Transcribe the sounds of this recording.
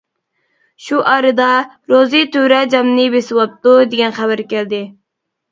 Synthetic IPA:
ʃuʔɑːɾɨd̪ɑ | ɾozit̪yɾɛd͡ʒɑmnɨbesɨwɑp̚t̪ud̪eɡʲɛnχɛbæɾkʲɛld̪ɪ

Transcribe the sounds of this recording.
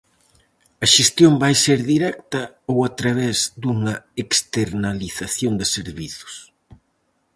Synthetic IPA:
ɐʃest̪jombajseɾðiɾɛk̚t̪ɐ | owat̪ɾaβ̞ɛzd̪uŋɐekst̪eɾnaliθaθjond̪ɪseɾβiθʊ̥s

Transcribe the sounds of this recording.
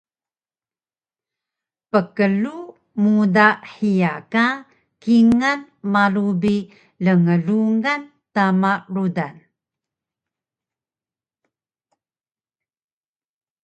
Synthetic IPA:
pəkəlu | mudaħijaka | kiŋan | malubi | ləŋəɮuŋan | tamaɾudan

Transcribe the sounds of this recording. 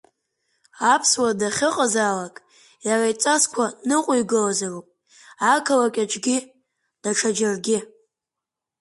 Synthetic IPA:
apʰswadaχʲɪqʼazaːlakʼ | jarajt͡sʼaskʷʰanɨqʷʼʊiɡɨlazarupʼ | akʰalakʲʼat͡ʃʼɡʲɪ | d̥aʈ͡ʂʰad͡ʒarɡʲɪ

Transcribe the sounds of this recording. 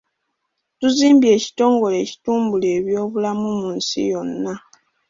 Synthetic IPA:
tuziːmbje̞ːci̥to̞ːŋɡo̞le̞ːci̥tuːmbuleːβjo̞ːβulamumuːnsḭjo̞nːa

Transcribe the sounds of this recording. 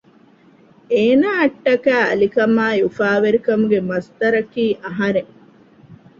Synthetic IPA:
eːnaːɐʈːɐkæːɐ̰likɐmaːjufaːʋeɾikɐmuɡemɐst̪ɐɾɐkiːʔɐɦɐɾeŋ

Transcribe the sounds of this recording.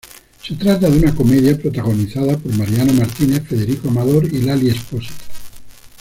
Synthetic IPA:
se̞t̪ɾat̪aðunako̞me̞ðjapɾot̪aɣ̞o̞niθaðapo̞ɾmaɾjanomaɾt̪ine̞θfe̞ð̞e̞ɾikoamaðo̞ɾilaliesposi̥t̪

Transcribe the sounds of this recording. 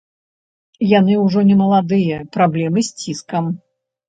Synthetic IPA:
janɨwʐɔnʲɛmɐlˠad̪ɨjɐpɾablʲɛmɨsʲt͡sʲiskɐm

